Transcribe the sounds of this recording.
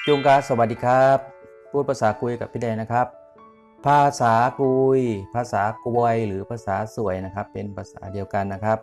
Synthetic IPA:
t͡ɕu˧ŋkaː˧˥sa˧wa˨˩t̚diː˨˧kʰa˦˥p̚ʰː | uː˦˥˩t̪̚pʰaː˧saː˩˦ku˧jka˨˩p̪̚ʰiː˧˥˩da˧˩jna˦˥˩kʰa˦˥p̚ | pʰːaː˧saː˩˦kuː˧jpʰaː˧saː˩˦kwɔ˧jlɯː˩˦pʰaː˧saː˩˦su˨˩˦əjna˦˥kʰa˦˥pːe˧npʰaː˧sa̰ː˩˦di˧əwka˧nːa˦˥kʰa˦˥p̚

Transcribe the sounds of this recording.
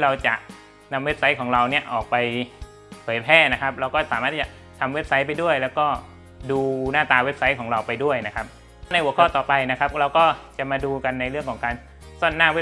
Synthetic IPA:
ɾa˧wt͡ɕa˨˩ʔ | na˧mwe˦˥p̚sa˦˥jkʰɔː˩˦ŋɾa˧wni˥˩ɐʔɔː˨˩k̚pa˧j | pʰɤː˩˦jpʰɛː˥˩na˦˥kʰa˦˥p̚ɾa˧wkɔː˥˩saː˨˦maː˦˥˩t̪ʰiː˥˩t͡ɕa˨˩ | t̪ʰa˧mwe˦˥p̚sa˦˥jp̬a˧jdu˥˩əjlɛː˦˥wkɔː˥˩ | duː˧naː˥˩t̪aː˧we˦˥p̚sa˦˥jkʰɔː˩˦ŋɾa˧wpa˧jdu˥˩əjna˦˥kʰa˦˥p̚ | na˧jʔə˦kʰɔː˥˩t̪ɔː˨˩pa˧jna˦˥kʰa˦˥p̚ɾa˧wkɔː˥˩t͡ɕa˨˩ʔmaː˧duː˧ka˧nːa˧jɾɯ˥˩əŋkʰɔː˩˦ŋkaː˧n | so˥˩˨nːaː˥˩we˦˥

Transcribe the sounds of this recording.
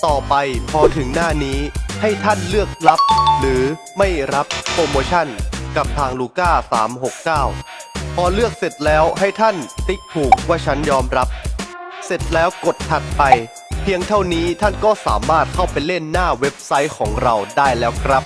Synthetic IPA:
t̪ɔː˨˩pa˧jpʰɔː˧t̪ʰɯ˩˦ŋnaː˥˩niː˦˥ha˥˩jt̪ʰa˥˩nlɯ˥˩ək̚la˦˥p̚ɾɯː˩˦ | ma˥˩jɾa˦˥p̚ɾoː˧moː˧t͡ɕʰa˥˩nka˨˩p̚t̪ʰaː˧ŋluː˧kaː˥˩sa̰ː˩˦mɦo˨˩kːaː˥˩wpʰɔː˧lɯ˥˩ək̚se˨˩t̪̚lɛː˦˥wɦa˥˩jt̪ʰa˥˩nt̪i˦˥k̚t̪ʰuː˨˩k̚waː˥˩t͡ɕʰa˦˥njɔː˧mɾa˦˥p̚se˨˩t̪̚lɛː˦˥wko˨˩t̪̚t͡ɕʰa˨˩t̪̚pa˧j | pʰi˧əŋt̪ʰa˥˩wniː˦˥t̪ʰa˥˩nkɔː˥˩sa̰ː˩˦maː˥˩t̪̚kʰa˥˩wpa˧jle˥˩nːaː˥˩we˦˥p̚sa˦˥jkʰɔː˩˦ŋɾa˧wdaː˥˩jlɛː˦˥wkʰɾa˦˥p̚

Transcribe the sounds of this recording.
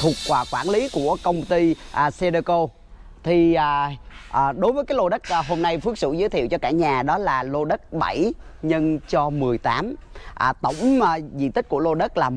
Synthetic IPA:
t̪ʰu˨˩ə˩k̚kwaː˨˩kwa̰ː˧˩nli˨˦ku˧˩əkə˧wŋ͡mt̪i˧ʔse˧ɗə˧ko˧ | t̪ʰi˨˩ʔːʔːɗo˨˦jvəː˨˦jkaː˨˦lo˧ɗə˦˥k̚ʔɦo˧mna˧jfɨ˦˥ək̚sɨ̰˧˩zə˨˦t̪ʰḭ˧˨əwt͡ɕɔ˧kaː˧˩ɲaː˨˩ɗɔ˨˦laː˨˩lo˧ɗə˦˥t̚ɓa˧˩j | ɲə˧nt͡ɕɔ˧mɨ˨˩əjt̪aː˨˦mʔːt̪ə˧˩wŋ͡mzḭ˧˨t̪ï˦˥k̟̚ku˧˩əlo˧ɗə˦˥t̚laː˨˩

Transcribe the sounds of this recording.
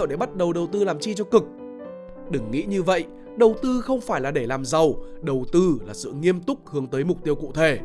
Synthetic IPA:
wɗe˧˩ɓa˦˥t̚ɗə˨˩wɗə˨˩wt̪ɨ˧laː˨˩mt͡ɕi˧t͡ɕɔ˧kɨ˨˩k̚ | ɗɨ˨˧˩ŋːḭ˧˥ɲɨ˧və̰˧˨jʔ | ɗə˨˩wt̪ɨ˧xə˧wŋ͡mfaː˧˩jlaː˨˩ɗe˧˩laː˨˩mzə˨˩wɗə˨˩wt̪ɨ˧laː˨˩sɨ̰˧˨ŋi˧əmt̪ʊ˦˥k͡p̚hɨ˨˦əŋt̪əː˨˦jmʊ˨˩k͡p̚t̪i˧əwkṵ˧˨t̪ʰe˧˩

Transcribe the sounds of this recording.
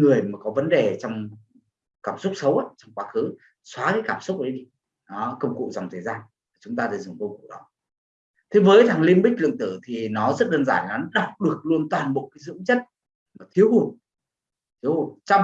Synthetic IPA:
ŋɨ˨˩əjmaː˨˩kɔ˨˦və˨˦nɗe˨˩t͡ɕɔ˧wŋ͡m | kaː˧˩msʊ˦˥k͡p̚sə˨˦wʔa̰ː˧˦t͡ɕɔ˧wŋ͡mkwaː˧˦xɨ˨˦ | swaː˨˦kaː˨˦jkaː˧˩msʊ˦˥k͡p̚ɗə˨˦jɗi˧˩˨ | kə˧wŋ͡mkṵ˧˨za˨˩wŋ͡mt̪ʰəː˨˩zaː˧n | vaː˨˩t͡ɕʊ˨˦ŋ͡mt̪aː˧t̪aː˧˩jzʊ˨˧˩ŋkə˧wŋ͡mkṵ˧˨ɗɔ˨˦ | t̪ʰe˨˦vəː˨˦jt̪ʰaː˨˩ŋli˧ənɓï̟˦˥lɨ̰˧˨əŋt̪ɨ˧˩t̪ʰi˨˩nɔ˨˦zə˦˥t̚ɗəː˧nzaː˧˩jla˨nɔ˨˦ɗa˨˩wk͡p̚ɗɨ˨˩ək̚lu˧ənt̪waː˨˩nɓo̰˧˨kaː˨˦jzɨ̰˧˥ŋ͡mt͡ɕə˦˥t̚ | maː˨˩t̪ʰi˨˦əwhu˨˧˩ | t̪ʰi˨˦əwhu˨˩t͡ɕa˧w

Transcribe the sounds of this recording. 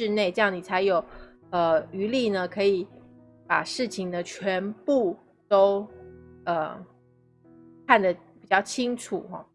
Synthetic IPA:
ɻ̩˥˧ne˥˩ɪʈ͡ʂɤ˥˧jɑ˥˩ni˨˩t͡sʰa˧˥ɪjo˨˩ʊ | ə˧y˧˥li˥˩nə˩kʰɤ˧˥i˨˩˦ | pa˨˩ʂɻ̩˥˩t͡ɕʰi˨˩ŋd̪ə˦t͡ɕʰɥɛ˧˥npu˥˩ | t̪o˥ʊ | ə˧ | kʰa˥˩nd̪ə˩pi˨˩t͡ɕjɑ˥˩ʊt͡ɕʰi˥ŋʈ͡ʂʰu˨˩x

